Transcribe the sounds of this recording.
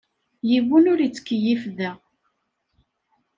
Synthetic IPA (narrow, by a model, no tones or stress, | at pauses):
jivunʊɾit͡sːə̥kːəjifðæ